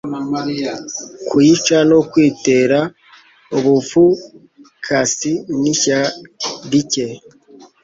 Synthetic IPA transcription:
kwit͡ʃanokwiːte̞ɾa | oβufu | kʰasiniçadice

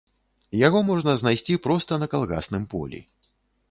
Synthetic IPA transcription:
jaɣɔmɔʐnɐznajsʲt͡sʲipɾɔst̪ɐnɐkalˠɣa̰snɨmpɔ̰lʲḭ

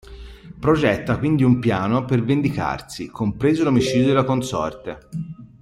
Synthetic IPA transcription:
pɾod͡ʒɛt̪ːakwind̪iumpjaːnopervend̪ika̰rsikʰompɾeːzolomit͡ʃid̪jd̪elakonsɔ̰rt̪e

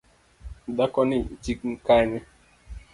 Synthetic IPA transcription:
dakɔnit͡ʃik̚ŋ̩kanɪ

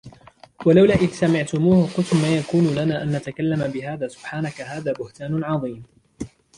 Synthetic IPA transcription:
walawlaːʔɪðsamɪʕt̪ʊmuːhqʊlt̪ʊmmaːjakuːnuːlanaːʔanːat̪akalːamabɪɦaːðaːsʊ̥b̥ħaːnakaɦaːðaːbʊht̪aːnʊʕɑðˤiːm

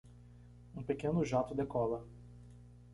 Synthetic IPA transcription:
ũpekẽnʊʒat̪ʊd̪ekɔlɐ

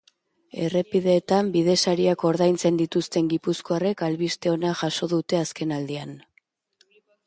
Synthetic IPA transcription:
e̞re̞piðe̞ːt̪ambið̞e̞saɾiako̞ɾðajnt͡se̞nd̪it̪ust̪e̞ŋɡipusko̞are̞kalβist̪e̞o̞naʝaso̞ðut̪e̞aske̞nald̪ian

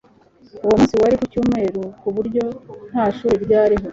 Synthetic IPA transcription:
uwomusiwaɾikucuːme̞ːɾukuβuɾɟo̞n̥haːʃuːɾeɾɟaːɾiɦo̞

